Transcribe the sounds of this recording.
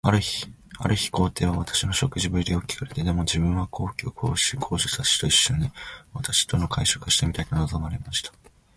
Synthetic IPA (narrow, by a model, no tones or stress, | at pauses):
aɾɯ̟çi̥ | a̰ɾɯ̟çi̥ko̞ːt̪e̞ːβ̞aβ̞at̪ḁɕino̞ɕo̞kɯ̟ʑibɯ̟ɾʲid̪eokʲːi̥kaɾe̞t̪e̞d̪e̞mo̞d͡ʑibɯ̟̃ɰ̃βakʰo̞ːkʲiokʰo̞̰ːɕikʰo̞ːʑɨsaɕi̥t̪o̞iɕːoɲ̟iβat̪aɕi̥t̪o̞no̞kʰaiɕokaɕi̥t̪e̞mʲit̪ait̪onozo̞maɾe̞maɕi̥t̪ḁ